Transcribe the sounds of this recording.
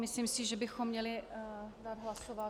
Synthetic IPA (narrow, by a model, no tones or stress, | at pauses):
mɪslimsɪʒɛbɪxomːɲɛlɪdaːd̪ɦlasova